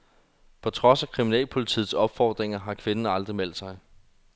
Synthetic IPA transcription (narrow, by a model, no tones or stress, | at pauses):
pʰɒ̽t͡sʰʁɒ̽sækʰʁiminɛ̰ːlpʰo̝lit͡sʰḭːð̩ˠsɒ̽b̥fɒ̰ːd̥ʁeŋɐɦɑ̈kʰʋe̝nən̩ɑ̈ld̥ʁimel̰d̥sɑ̈ɪ